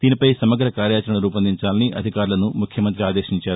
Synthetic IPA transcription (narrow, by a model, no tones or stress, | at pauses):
d̪̥iːnipɐjsɐmɐɡɾɐkaːɾjaːt͡ʃɐɾɐɳɐɾuːpɐnd̪iɲt͡ʃaːlɐniʔɐ̰d̪ʱikaːɾulɐnumukʰjɐmɐnt̪ɾiaːd̪e̞ːʂiɲt͡ʃaːɾu